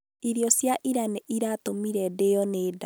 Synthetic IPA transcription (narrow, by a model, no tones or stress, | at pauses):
iɾjɔsjaʔiɾaneʔiɾatomiɾɛdejɔneːda